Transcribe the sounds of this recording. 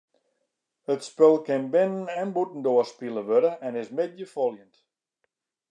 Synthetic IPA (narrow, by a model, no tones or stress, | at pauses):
hətspølˠkɪnbɪnənɛnbutən̩doəspilˠəʋødəɛnɪsmɪd̚jəfolˠjənt